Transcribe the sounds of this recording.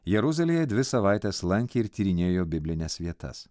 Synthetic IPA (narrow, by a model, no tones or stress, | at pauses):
jɛɾʊzɐlʲejɛd̪ʲʋʲɪsɐʋɑˑɪt̪ʲɛːslˠɐŋʲkʲeɪɾt̪ʲiːɾʲɪnʲeːjoːbʲɪbʲlʲɪnʲɛsʋʲiɛt̪ɐ̰s